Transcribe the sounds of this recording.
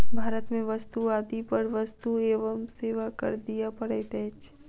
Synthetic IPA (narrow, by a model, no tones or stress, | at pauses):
bʱaːɾət̪mẽʋəst̪uaːd̪ipəɾʋəst̪ueːʋəmseːʋakə̰ɾd̪ijapəɽet̪ɛːt͡ʃ